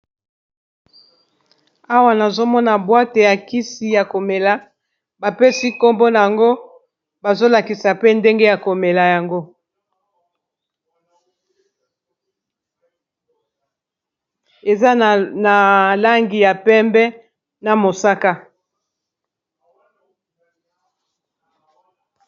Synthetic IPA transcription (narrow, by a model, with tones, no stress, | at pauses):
a˦wa˨na˨zo˦mɔ˦na˨bwa˦te˨ja˨ki˦si˨ja˨ko˨me˨la˨ | ba˨pe˦si˦ko˦mbo˦na˨ja˨ŋɡo˦ | ba˨zo˦la˨ki˨sa˨pe˦nde˦ŋɡe˦ja˨ko˨me˨la˨ja˨ŋɡo˦ | e˨za˦na˨la˦ŋɡi˨ja˨pɛ˦mbɛ˦ | na˨mo˨sa˦ka˦